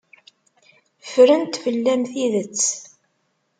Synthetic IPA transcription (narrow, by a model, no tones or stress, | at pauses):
fɾənt̪fəlːæmθiðət͡sː